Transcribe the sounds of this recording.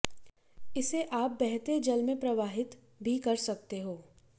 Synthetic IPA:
ɪseʔaːp̚bɛɦt̪ed͡ʒɐlmẽpɾɐʋaːɦɪt̪ | bʱikɐɾsɐk̚t̪eɦoː

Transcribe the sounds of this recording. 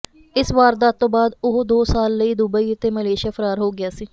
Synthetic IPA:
ɪsʋaːɾd̪aːt̪õːbaːd̪ʊɦod̪oːsaːlːəiːd̪ʊbəiːət̪eːməleːʃaːpʰəɾaːɾɦoːɡɪjaːsiː

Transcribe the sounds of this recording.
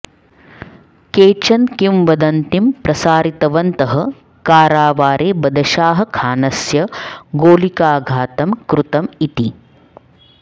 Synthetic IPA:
keːt͡ʃɐnkimʋɐd̪ɐnt̪impɾɐsaːɾit̪ɐʋɐnt̪ɐɦɐ | kaːɾaːʋaːɾʔeːbɐd̪ɐʃaːɦɐ̆kʰaːnɐsjɐɡoːlikaːɡʱaːt̪ɐmkɾut̪ɐmit̪i

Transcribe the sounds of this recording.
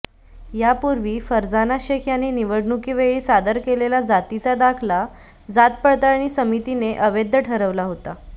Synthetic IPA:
japuɾʋiːfəɾd͡zanaɕekʰjaniniʋəɽnukiːʋeɭiːsad̪əɾkelelad͡zat̪it͡sad̪akʰla | d͡zat̪̚pəɽt̪aɭnisəmit̪ineʔəʋed̪ʱːəʈʰəɾəʋlaɦot̪a

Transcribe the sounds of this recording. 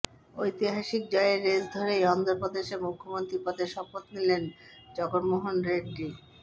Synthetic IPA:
ojt̪iɦaʃikd͡ʑɔeeɾːeld̪ʱoɾeɔnd̪oɾpod̪eʃemukʰːomont̪ɾipɔd̪eɾʃɔpot̪nilen | d͡ʑɔɡoɾmoɦonɾeɖʈi

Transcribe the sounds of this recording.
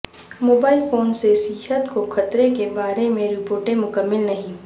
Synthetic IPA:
moːbaːɪlfoːnsesɪɦət̪koxɐt̪ɾekebaːɾemẽɾɪpoːɾʈẽmʊkəmːɪlnɐɦĩː

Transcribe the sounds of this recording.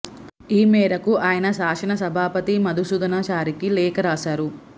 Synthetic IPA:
iːmɛːɾɐkuʔaːjɐnɐsaːkʂɐnɐsɐbʱaːpɐt̪imɐd̪ʱusud̪ɐnaːt͡ʃaːɾikilɛːkɐɾaːsaːɾu

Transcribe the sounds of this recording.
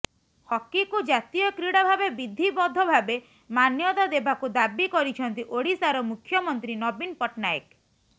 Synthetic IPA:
hɔkːikud͡ʒat̪ijɔkɾiɽɔbʱabebid̪ʱibɔd̪ʱɔbʱabe | manjɔt̪ɔd̪ebakud̪abikɔɾit͡ʃʰɔnt̪iʔoɽisaɾɔmukʰjɔmɔnt̪ɾinɔbinpɔʈnaḛk

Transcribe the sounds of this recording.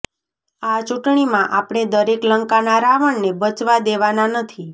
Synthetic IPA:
at͡ʃuʈɳimãʔapɽ̃ed̪əɾekləŋkanaɾaʋəɳnebət͡ʃʋad̪eʋananət̪ʰi

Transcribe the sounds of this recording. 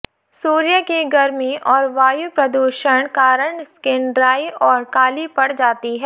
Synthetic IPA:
suːɾjəkiɡɐɾmiʔɔːɾʋaːjupɾɐd̪uːʃəɳ̃kaːɾəɳskɪ̃ɳɖɾaːiʔɔːɾkaːlipɐɽd͡ʒaːt̪iɦɛː

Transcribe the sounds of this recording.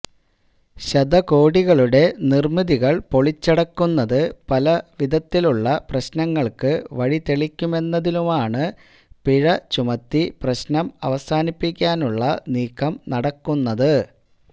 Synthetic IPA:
ɕɐd̪ɐko̞ːɽiɣɐɭuɽe̞nirmiðiɣɐɭpo̞ɭit͡ɕːɐɽɐkːunːɐðɨpɐlɐʋid̪ɐt̪ːiluɭːɐprɐɕnɐŋːɐɭkɨʋɐɻit̪eɭikʲːume̞nːɐðinumaːɳɨ | piɻɐt͡ɕumɐt̪ːiprɐɕnɐmɐ̰ʋɐsaːnipːikʲːaːnuɭːɐniːkʰːɐmnɐɽɐkːunːɐðɨ

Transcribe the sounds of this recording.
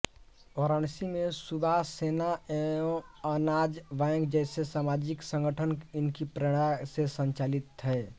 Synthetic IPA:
ɔːɾəɳ̃simẽsubʱasenaõənad͡ʒʋɛ̃ŋɡd͡ʒɛːsesaːmad͡ʒɪksə̃ŋɡʱəʈʰənɪnkipɾəɽ̃asesəɲt͡ʃaːlɪt̪ɦɛː

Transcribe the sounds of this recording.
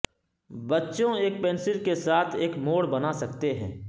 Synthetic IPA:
bɐtːʃõeːk̚pẽːnsɪlkesaːt̪ʰeːkmoːɽbɐnasɐkt̪eɦɛ̰̃ː

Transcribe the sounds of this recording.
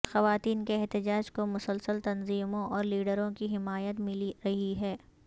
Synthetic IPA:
xɐʋaːt̪iːnkeɛɦt̪ɪd͡ʒaːd͡ʒkomʊsəlsəlt̪ɐnziːmõʔɔːɾliːɖəɾõkiɦɪmaːjət̪mɪliɾɐɦiɦɛː

